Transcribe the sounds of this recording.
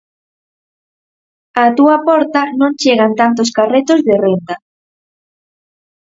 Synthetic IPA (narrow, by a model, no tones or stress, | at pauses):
at̪uapɔɾt̪anõŋt͡ʃeɣant̪ant̪oskaret̪ozðɪrent̪a